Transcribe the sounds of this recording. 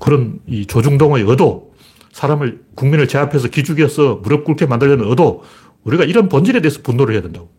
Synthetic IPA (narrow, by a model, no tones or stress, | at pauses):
kɯɾʌnit͡ɕod͡ʑuŋdoŋejʌdo | sʰaɾamɯɭkuŋminɯɭt͡ɕe̞apʰe̞s̬ʰʌkid͡ʑuɡiʌs͈ʰʌmuɾʌp̚k͈uɾkʰemandɯɭjʌnɯnʌdo | uɾiɡaiɾʌnpʌnd͡ʑiɾe̞de̞ːsʰʌ̥pundoɾɭheadɯndaɡ